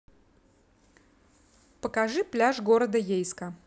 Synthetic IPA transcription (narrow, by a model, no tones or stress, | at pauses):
pəkɐʐɨplʲaʐɡoɾəd̪əjejskə